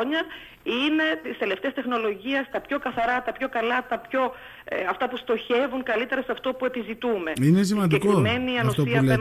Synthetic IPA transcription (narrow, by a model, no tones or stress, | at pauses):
ɲɐ | ine̞t̪ist̪e̞le̞ft̪eɐst̪e̞xno̞lo̞ʝiɐst̪ɐpço̞kɐθɐɾɐt̪ɐpço̞kɐlɐt̪ɐpço̞ | ɐft̪ɐpust̪o̞çe̞vuŋkɐlit̪e̞ɾɐseɐft̪o̞pue̞pizit̪ume̞ines̬imɐnd̪ieikiome̞niːɐnost̪oiɐle